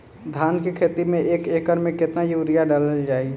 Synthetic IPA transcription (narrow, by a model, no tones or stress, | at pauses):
d̪ʱaːnkekʰeːt̪imẽeːkekəɾmẽkɪt̪najuɾijaɖaləld͡ʒaːi